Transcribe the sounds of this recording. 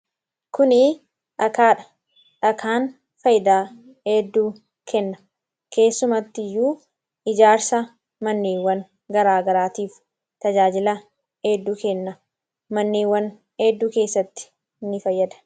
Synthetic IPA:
kʊnɪ | ᶑɐkaːᶑɐ̥ | ᶑɐkʰaːn | fɐjɪd̪aː | eːd̪ːuː | kʰɛnːɐ | ke̞ːsːʊmɐt̪ːɪjːuː | ʔɪd͡ʒaːɾsɐ | mɐnːiːwːɐn | ɡɐɾaːɡɐɾaːt̪iːf | t̪ɐd͡ʒaːd͡ʒɪlɐ | heːd̪ːuːkɛnːɐ | mɐnːiːwːɐn | heːd̪ːuːke̞ːsːɐt̪ːɪ̥ | nːɪfɐjːɐd̪ɐ̥

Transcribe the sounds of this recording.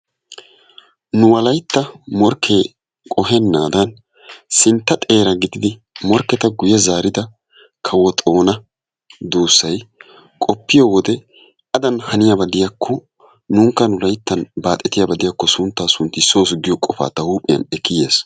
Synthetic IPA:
nʊwɐlɐjt̪ːɐmɔɾkʰːeː | kʼɔɦɛnːaːd̪ɐn | sɪnt̪ːɐt̪ʼe̞ːɾɐɡɪd̪ɪd̪ɪ | mɔɾkːɛt̪ɐɡʊjɛzaːɾɪd̪ɐ | kʰɐwɔt̪ʼo̞ːnɐ | d̪uːsːɐj | kʼɔpːɪjoːwɔd̪ɛ | ʔɐd̪ɐnhɐnɪjabɐd̪ɪjakʰːɔ | nuːŋkːɐnʊlɐjt̪ːɐnbaːt̪ʼːɛt̪ɪjabɐd̪ɪjakːɔsʊnt̪ːaːsʊnt̪ːɪso̞ːsɡɪjɔkʼɔfa̰ːt̪ːɐhuːpʼːɪjɐ̰nɛkːɪje̞ːs

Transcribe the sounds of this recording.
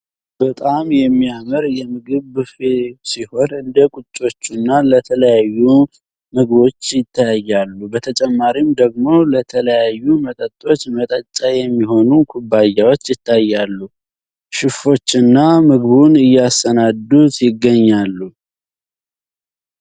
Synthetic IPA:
b̥ət̪ʼamjɛmːijaməɾjɛmɨɡɨβfesiho̞nɨnd̪əkʼut͡ʃʼːo̞t͡ʃːunːalət̪ʰələjajːu | mɨɡβo̞t͡ʃːjɪt̪ʰːajajːalːubət̪ʰət͡ʃʼɛmːaɾimd̪əɡ̚mo̞lət̪ʰələjajːumət̪ʼət̪ʼːo̞t͡ʃːmət̪ʼət͡ʃʼːajɛmːiho̞nukʰubajːawo̞t͡ʃːjɪt̪ʰːajːalːu | ʃɪfo̞t͡ʃːɨnːamɨɡβunɨjːastənad̪ut̪jɪɡːəɲːalːu

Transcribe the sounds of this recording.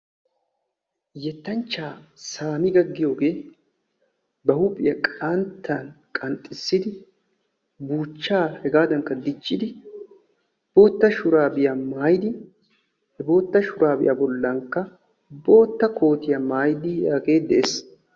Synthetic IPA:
jɛt̪ːɐnt͡ʃːaːsaːmɪɡɐɡːɪjo̞ːɡe̞ː | bɐhʊpʼɪjɐkʼɐnt̪ʰːankʼɐnt̪ʼːɪsːɪd̪ɪ | buːt͡ʃːaːhɛɡaːd̪ɐŋkːɐd̪ɪt͡ʃːɪd̪ɪ | b̥o̞ːt̪ːɐʃʊɾaːbɪjamaːjɪd̪ɪ | hɛbo̞ːt̪ːɐʃʊɾaːbɪ̰jʔa̰bɔlːɐŋkːɐ | bo̞ːt̪ːɐko̞ːt̪ɪjɐmaːjd̪ɪjaːɡe̞ːd̪ɛʔeːs

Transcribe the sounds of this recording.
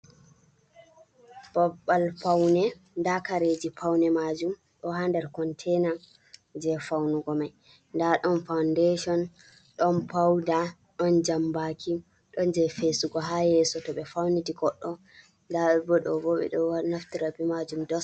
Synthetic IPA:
b̥aɓalfawnɛ | ndakaɾed͡ʒipawnɛmad͡ʒum | ɗɔɦandɛɾkɔntʰɛna | d͡ʒɛfawnuɡɔmaj | ndaɗɔnfawndeʃɔn | ɗɔnpawda | ɗɔnd͡ʒambakʰi | ɗɔnd͡ʒɛfesuɡɔɦajɛsɔtɔɓɛfawnitiɡɔɗːɔ | ndabɔɗɔbɔɓɛ̰ɗɔnaftiɾabimad͡ʒumdɔs

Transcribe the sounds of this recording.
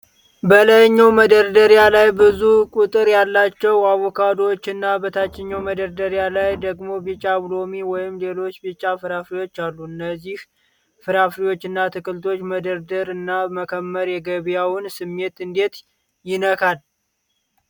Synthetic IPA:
bələjɲːawməd̪əɾd̪əɾjalajbɨzukʼut̪ʼɨɾjalːat͡ʃːɛwaβɔkʰad̪ot͡ʃːɨnːabət̪ʰat͡ʃːɪɲːawməd̪əɾd̪əɾjalajd̪əɡmo̞bit͡ʃʼːablo̞miwɔjɪmle̞lo̞t͡ʃːbit͡ʃʼːafɨɾafɾiwo̞t͡ʃːalːuɨnːəzːih | fɨɾafɾiwo̞t͡ʃːɨnːat̪ʰɨkʰɨlt̪ʰo̞t͡ʃːməd̪əɾd̪əɾɨnːaməkʰəmːəɾjɛɡəβjawnsɨmːe̞t̪ɨnd̪e̞t̪ | jɪnəkʰal

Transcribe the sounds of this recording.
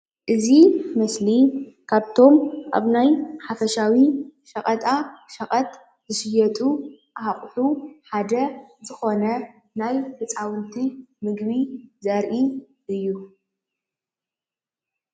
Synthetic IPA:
ʔɨzimɐslikʰaβt̪ʰo̞mʔa̰βnajħafɐʃawiʃɐχʼɐt̪ʼaʃɐχʼɐt̪ | zɨʃɪjɛt̪ʼuʔaaχʼħuħad̪ɐzɨxo̞nɐ | najfʰɨt͡sʼawɨnt̪ʰimɨɡβizɐɾʔi | ʔɨjːu

